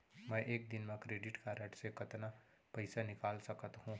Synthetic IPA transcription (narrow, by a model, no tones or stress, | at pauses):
mɛ̃ːʔeːk̚d̪ɪnmẽkɾeːɖɪʈkaɾəʈsekɐt̪na | pɛɪsanɪkaːlsɐkət̪ɦũː